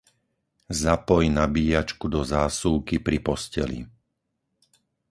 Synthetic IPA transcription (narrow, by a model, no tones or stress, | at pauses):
zapɔjnabiːat͡ʃkud̪ɔzaːsuːkipɾipɔscɛ̰lḭ